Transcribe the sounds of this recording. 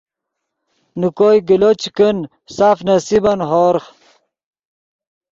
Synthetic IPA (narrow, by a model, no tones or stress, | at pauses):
nukoːjɡilot͡ɕkən | saːfnɐsibɐnɦoːɾχ